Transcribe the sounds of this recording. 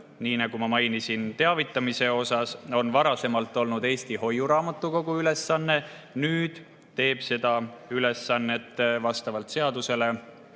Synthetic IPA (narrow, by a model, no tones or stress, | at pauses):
niːnɑɡ̥umɑmɑjnisint̪e̞ɑvit̪ːˑɑmise̞o̞sɑso̞nvɑɾɑse̞mɑlt̪ːˑo̞lnud̪̥e̞ːst̪iho̞juɾɑːmɑt̪ˑːuko̞ɡuyle̞sːɑnːe̞ | nyːd̪̥ | t̪e̞ːb̥se̞d̪̥ɑyle̞sːɑnːe̞t̪ːˑvɑst̪ɑvɑlt̪se̞ɑd̪use̞le̞